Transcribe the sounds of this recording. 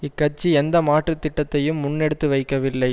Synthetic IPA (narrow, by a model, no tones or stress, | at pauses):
ɪkːɐt͡ʃːiɛnd̪ɐmaːʈrɯt̪ːɪʈːɐt̪ːɐjɯmːʊnːɛɽɯt̪ːɯʋɐɪkːɐʋɪlːɐɪ